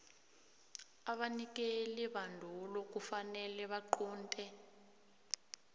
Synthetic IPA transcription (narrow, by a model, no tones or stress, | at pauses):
aɓanik̬ʼeliɓandʱulok̬ʼufanɛlɛβaǃɔːntʼɛ